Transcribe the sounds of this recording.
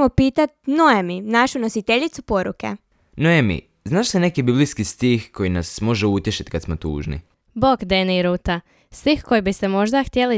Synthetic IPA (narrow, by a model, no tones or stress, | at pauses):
mopiːt̪at̪̚noeminaʃuno̞sit̪eʎit̪supo̞ɾṵke̞̰ | noemḭ | znaːʃsene̞kibibliskist̪ixko̞jinasmo̞ʒeut̪jeʃi̥t̪kat̪smo̞t̪ṵːʒnḭ | bokd̪eniɾuːt̪a | stixko̞jibist̪emo̞ʒd̪axt̪jeli